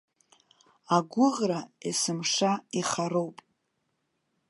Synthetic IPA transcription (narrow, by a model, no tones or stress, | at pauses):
aɡʷʊʁraesɨmʂaiχaɾowpʼ